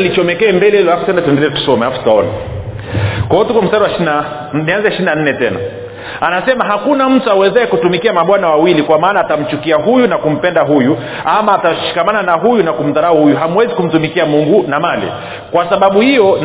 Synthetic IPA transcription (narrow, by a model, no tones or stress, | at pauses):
lit͡ʃɔmɛkɛːmbɛlɛilɔhafu̥tɛnatuɛndɛlɛtu̥sɔmɛhafutaɔna̰ | kwɔɔtukɔm̩saɗawaʃina | nianzɛʃiɾinan̩nɛtɛna̰ | anasɛmaɦakunam̩tuawɛzɛhɛkutumikiamaɓwanawawilikwamaːnaːtam̩t͡ʃukiaɦujunakum̩pɛndaɦuju | amaːtaʃi̥kamananaɦujunakum̩taɾauhujuɦamwɛzikum̩tumikiamuŋɡunamalḭ | kwasaɓaɓuhijɔn